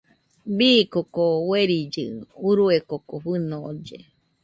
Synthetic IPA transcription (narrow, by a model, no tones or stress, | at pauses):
biːkokoweɾid͡ʒɨ̰uɾuekokoɸɨnod͡ʒe